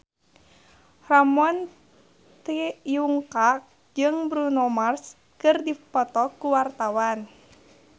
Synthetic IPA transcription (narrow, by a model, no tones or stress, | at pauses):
ramɔn | t̪ijuŋkak̚ | d͡ʒɨŋbɾunɔmars | kɨrdipɔt̪ɔkuwart̪awan